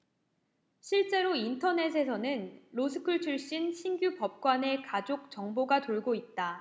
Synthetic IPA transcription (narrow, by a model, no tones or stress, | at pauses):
ɕʰiɭt͡ɕ͈e̞ɾointʰʌne̞s̬ʰe̞sʰʌnɯnɾosʰɯ̥kʰɯɭt͡ɕʰuɭɕ͈inɕʰinɡjupʌp̚k͈wane̞kad͡ʑok̚t͡ɕ͈ʌŋboɡatoɭɡoit̚t͈a